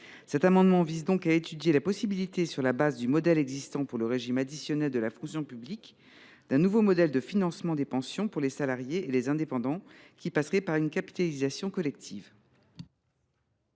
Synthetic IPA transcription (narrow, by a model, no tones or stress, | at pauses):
sɛt̪amɑ̃d̪mɑ̃vizd̪ɔ̃kaet̪yd̪jelapɔsibilit̪esyʁlabazd̪ymɔd̪ɛlɛɡzist̪ɑ̃puʁləʁeʒimad̪isjɔnɛld̪əlafɔ̃ksjɔ̃pyblik | d̪̥ɛ̃nuvomɔd̪ɛld̪əfinɑ̃smɑ̃d̪epɑ̃sjɔ̃puʁlesalaʁjeelezɛ̃d̪epɑ̃d̪ɑ̃ | kʲipasʁɛpaʁynkapi̥t̪alizasjɔ̃kɔlɛk̚t̪ʰiv